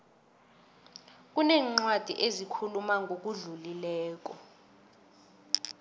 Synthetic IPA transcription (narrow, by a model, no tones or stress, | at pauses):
k̬ʼunɛːŋ͡ǀwad̥ʱḭʔezikʰulumaŋɡʱok̬uɮulilɛːk̬ɔ